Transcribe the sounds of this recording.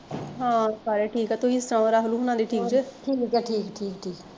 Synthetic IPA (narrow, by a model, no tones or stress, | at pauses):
ɦãːsaːɾeːʈʰiːkɦɛːt̪oɦiɪst̪əɾãːɾaːɦəluːɦʊnãːd̪iːʈʰiːkd͡ʒeːʈʰiːkd͡ʒɛʈʰiːkʈʰiːkʈʰiːk